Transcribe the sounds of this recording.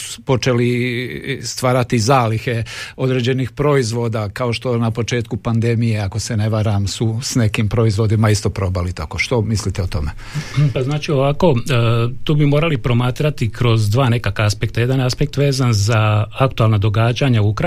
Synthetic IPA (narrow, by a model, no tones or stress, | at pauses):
u̥po̞t͡ʃeli | st̪ʋaːɾat̪izaːlixeo̞d̪ɾeːd͡ʑe̞nixpɾo̞izʋo̞ːd̪akao̞ʃt̪o̞napo̞t͡ʃe̞ːt̪kupand̪e̞mijeako̞sene̞ʋaɾamsusne̞kimpɾo̞izʋo̞d̪imaist̪o̞pɾo̞ːbalit̪akoʃt̪o̞mislit̪eot̪o̞me | paznaːt͡ʃio̞ʋako̞t̪oːbimo̞ːɾalipɾo̞maːt̪ɾat̪ikɾo̞zd̪ʋaːne̞kakaaspe̞kt̪aje̞d̪anaspek̚t̪ʋe̞ːzanzaakt̪ualˠnad̪o̞ɡaːd͡ʒaɲauukɾ